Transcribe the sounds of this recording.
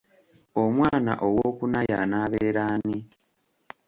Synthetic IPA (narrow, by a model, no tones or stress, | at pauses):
o̞mwaːna̰ʔo̞wokunaja̰naːβeːɾaːni